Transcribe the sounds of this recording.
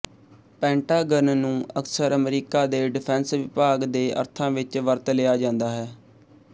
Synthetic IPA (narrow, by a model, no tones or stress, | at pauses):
pɛ̃ːɳʈaːɡənnũːəksəɾəmɾiːkaːd̪eːɖɪpʰɛ̃ːnsʋɪpaːɡd̪eːʔə̰ɾt̪ʰãːʋɪt͡ʃʋəɾt̪leːaːd͡ʒãːnd̪aːɦɛː